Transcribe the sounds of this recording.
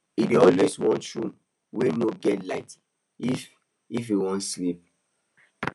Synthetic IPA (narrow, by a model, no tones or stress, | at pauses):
ideɔlweswɔ̃nʃũm | wenoɡɛtlaɪt | if | ifjuwɔ̃ntslip̚